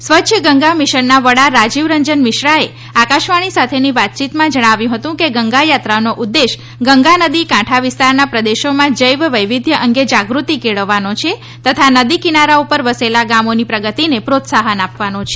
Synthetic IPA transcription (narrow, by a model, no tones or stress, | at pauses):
sʋətːʃʰəɡəŋɡamɪʃənːaʋəɽaɾad͡ʒiʋɾəɲd͡ʒənmɪʃɾae | akaʃʋaɽ̃isat̪ʰeniʋat̪̚t͡ʃit̪mãd͡ʒəɽ̃aʋjũɦət̪ũkeɡəŋɡajat̪ɾanoʔud̪ːeʃ | ɡəŋɡanəd̪ikãʈʰaʋɪst̪aɾnapɾəd̪eʃomãd͡ʒəjʋʋəjʋɪd̪ʱjəʔəŋɡed͡ʒaɡɾut̪ikeɭəʋːanot͡ʃʰe | t̪ət̪ʰanəd̪ikinaɾaupəɾʋəselaɡamonipɾəɡət̪inepɾot̪saɦənapʋanot͡ʃʰe